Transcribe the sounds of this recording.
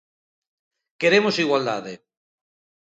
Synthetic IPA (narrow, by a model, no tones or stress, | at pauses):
keɾemosiɣwald̪a̰ðe